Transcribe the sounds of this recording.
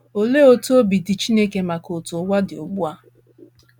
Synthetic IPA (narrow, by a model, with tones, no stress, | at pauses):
o˨le˦o˦tu˦o˦bi˨dɪ˨t͡ʃi˦ne˦ke˦ma˨ko˨to˨wa˦dɪ˨o˨ɡ͡bu˦a˦